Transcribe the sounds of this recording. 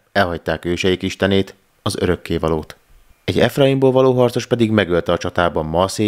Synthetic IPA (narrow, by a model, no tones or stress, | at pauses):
ɛlɦɒc̚t̪aːkøːʃɛjikiʃt̪ɛneːt̪ | ɒzøɾø̞kːeːvɒloːt̪ | ɛɟɛfrɒimboːlvɒloːɦɒrt̪so̞ʃpɛd̪iɡmɛɡølt̪ɛɒt͡ʃɒt̪aːbɒmːɒseː